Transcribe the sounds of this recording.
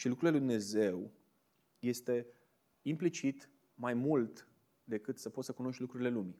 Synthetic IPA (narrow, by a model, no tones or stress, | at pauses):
ʃilukɾuleujd̪umne̞ze̞w | je̞st̪e̞ | implit͡ʃit̪ | majmult̪ | d̪e̞kɨt̪səpo̞t̪səkuno̞ʃt̪lukɾuɾile̞lumi